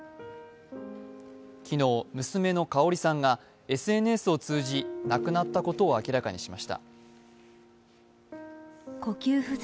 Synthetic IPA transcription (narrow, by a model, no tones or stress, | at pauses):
kʲino̞ːmɯ̟sɨme̞no̞kao̞ɾʲisãŋɡa | e̞sɨe̞nɯe̞sɨo̞t͡sɨːʑinakɯ̟nat̪ːako̞t̪o̞ːakʲiɾakaɲ̟iɕimaɕi̥t̪a̰ | ko̞kʲɨːɸɯ̟